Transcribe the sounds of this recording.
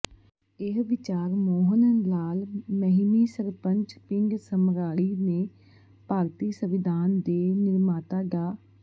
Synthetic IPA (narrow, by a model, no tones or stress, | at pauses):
ɪɦʋɪt͡ʃaːɾmoːɦənənlaːlmɛɦmiːsəɾpəɲt͡ʃpɪŋɡsəmɾaːɭiːneː | paːɾt̪iːsəʋɪd̪ʱaːnd̪eːnɪɾmaːt̪aːɡaː